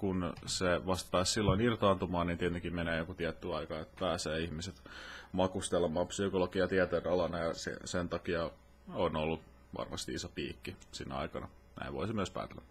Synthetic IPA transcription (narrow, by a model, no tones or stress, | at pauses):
kunseʋɑst̪pæːssilːoinirt̪ɑnt̪umɑːniːnt̪iet̪ykimeneːjokut̪iɛt̪ːyɑikɑet̪pæːseːihmiset̪mɑkust̪elːemːˑɑːpsykolokiɑt̪iɛt̪eːnɑlɑnɑjɑsḛsent̪ɑkiɑ | onolːu | ʋɑ̰rmɑ̰st̪iisopḭːkːisinːḛɑ̰ikɑ̰nɑ̰ | næ̰iʋo̰isimyəspæ̰ːt̪elːæ̰